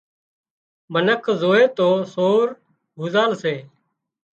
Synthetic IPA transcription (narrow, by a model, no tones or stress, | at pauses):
bʱənəkʰzoːeːt̪oːsoːɾ | ɦuːzaːlseː